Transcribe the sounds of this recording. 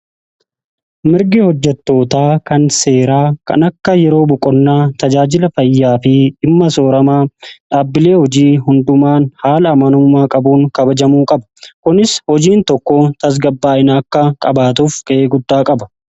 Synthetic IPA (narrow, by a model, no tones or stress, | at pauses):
mɪɾɡɪhɔd͡ʒːɛt̪ːo̞ːt̪aːkɐnse̞ːɾaːkɐ̰nɐkːɐjɛɾo̞ːbɔkʼɔnːaːt̪ɐd͡ʒaːd͡ʒɪlɐfɐjːaːfɪɪmːɐso̞ːɾɐmaːᶑaːbːɪle̞ːhɔd͡ʒiːhʊnd̪ʊmaːnhaːlɐːmɐnuːmaːkʼɐbuːŋkɐbɐd͡ʒɐmuːkʼɐbɐ̥kʊnɪshɔd͡ʒiːnt̪ɔkːoːt̪ɐs̬ɡɐbːaːɪnaːkːɐkʼɐbaːt̪uːfkɐʔeːɡʊd̪ːaːkʼɐbɐ̥